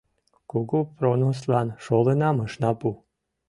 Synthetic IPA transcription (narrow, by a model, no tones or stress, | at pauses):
kuɡupɾonoslˠɑnʃolˠenɑmɤʃnɑpu